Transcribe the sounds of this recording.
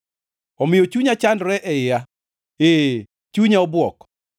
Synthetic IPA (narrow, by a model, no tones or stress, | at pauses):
ɔmɪjot͡ʃuɲat͡ʃandɾɛʔɛɪja | e | t͡ʃuɲaɔbwɔk